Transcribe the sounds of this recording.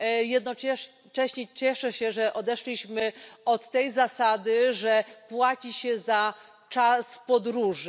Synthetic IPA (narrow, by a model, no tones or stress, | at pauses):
jɛd̪̚nɔ | t͡ʂɛɕɲɛt͡ɕɛʂɛɕɛʐɛʔɔd̪ɛʂlʲiɕmɘɔt̪ːɛjzasad̪ɘʐɛpwat͡ɕiɕɛza | t͡ʂaspɔd̪ɾuʐ